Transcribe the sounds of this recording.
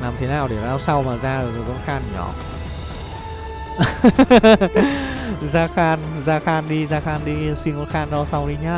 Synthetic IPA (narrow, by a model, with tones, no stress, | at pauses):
laː˨˩mt̪ʰe˨˦naː˨˩wɗe˧˩zaː˧wsa˧wmaː˨˩zaː˧˨˩zo˨˩kɔ˧nxaː˧n˨˩ɲɔ̰˧˩˦ | zaː˧xaː˧nzaː˧xaː˧nɗi˧zaː˧xaː˧nɗi˧si˧ŋkɔ˧˦nxaː˧nɗɔ˧sa˧wɗi˧ɲaː˧